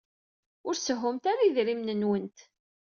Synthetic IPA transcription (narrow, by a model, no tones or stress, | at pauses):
ʊɾsəɦʊmt̪aɾaðɾimnənwənt̪